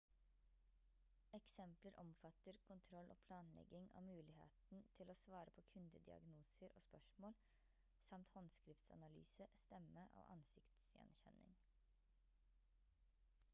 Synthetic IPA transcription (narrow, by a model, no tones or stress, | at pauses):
ɛksɛmpləɾʔɔmfɑt̪əɾkʰʊnt̪ʰɾɔlʔo̰ːpʰlɑːnlɛ̰ɡɪŋɑ̰ːmʉːlɪhḛːt̪n̩t̪ʰɪloːsʋɑːɾəpʰoːkʰʉnd̪əd̪ɪɑ̰ɡnuːsəɾo̰ːspœʂmoːl | sɑmt̪hɔnskɾɪft̪sɑ̰nɑly̰ːsəst̪ɛmːəʔo̰ːʔɑ̰nsɪkt̪sjɛ̰nçɛnːɪ̰ŋ